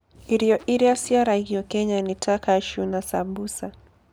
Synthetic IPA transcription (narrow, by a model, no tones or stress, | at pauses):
iɾijɔʔiɾiasiaɾaɣiɔkɛɲanitʰakaʃunasabusa